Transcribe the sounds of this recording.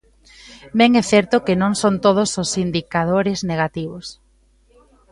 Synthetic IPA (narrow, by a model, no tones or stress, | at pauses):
mɛŋɛθɛɾt̪okenõŋsont̪oð̞ososind̪ikaðoɾɪzneɣ̞at̪iβos